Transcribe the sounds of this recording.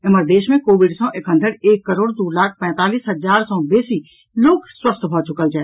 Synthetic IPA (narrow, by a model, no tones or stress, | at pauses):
ɪməɾd̪eːʃmẽkoːʋɪɖsɔ̃ːʔekɦə̃nd̪ʱəɽeːkːəɾoːɽd̪uːlaːkʰpɛ̃ːt̪aːliːsɦəd͡ʒaːɾsɔ̃ːbeːsi | loːkswəst̪ʰbʱɔt͡ʃʊkəld͡ʒaːɛ